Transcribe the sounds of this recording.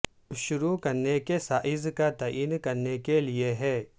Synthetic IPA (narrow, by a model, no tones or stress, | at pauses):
ʊʃʊɾukɐɾnekesaːʔɪzkat̪aːʔiːnkɐɾnekelieɦɛː